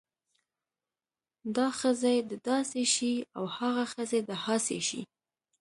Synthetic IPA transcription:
d̪ɑxəzejd̪əd̪ɑseʃia̰whaɣaxəzed̪əhɑsḛʃḭ

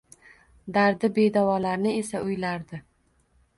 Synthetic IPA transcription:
d̪aɾd̪ɪbe̞d̪avɒlaɾnɪe̞saʊjlaɾd̪ɪ

